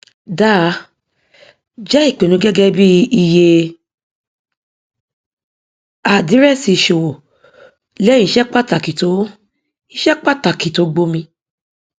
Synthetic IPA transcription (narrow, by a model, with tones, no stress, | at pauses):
da˦˨ | d͡ʒɛ˦i˦˨k͡pe˨nũ˨˦ɡɛ˦ɡɛ˦bi˦i˧je˧ | a˨di˨˦ɾɛ˦˨si˧˨ʃo˨wo˨ | lɛ˦ĩ˧˨˦ʃɛ˦k͡pa˦˨ta˨ki˨to˨˦ | i˧˦ʃɛ˦k͡pa˦˨ta˨ki˨to˨˦ɡ͡bo˦mĩ˧